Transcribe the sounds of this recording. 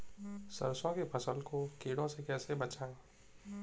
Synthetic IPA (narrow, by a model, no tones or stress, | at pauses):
sɐ̰ɾsõkepʰɐsəlkokiːɽõsekɛːsebɐt͡ʃaːeː